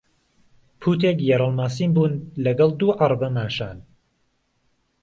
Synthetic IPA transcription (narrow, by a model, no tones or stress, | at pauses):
pʰuːt̪eːkjɛɾˤəlmaːsiːmbuːnlɐɡɐlˠd̪uːʔɐrˤbɐmaːʃaːn